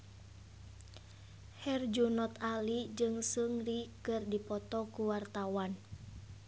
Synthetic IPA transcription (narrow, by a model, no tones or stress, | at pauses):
hɛrd͡ʒunɔt̪alid͡ʒɨŋsuŋrikɨrdipɔt̪ɔkuwart̪awan